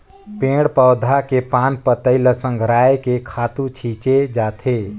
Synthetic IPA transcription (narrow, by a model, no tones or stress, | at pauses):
pẽːɽpəwd̪ʱakepãːnpət̪əɪləsə̃ŋɡʱɾaːekekʰaːt̪ũt͡ʃʰiːt͡ʃed͡ʒaːt̪ʰeː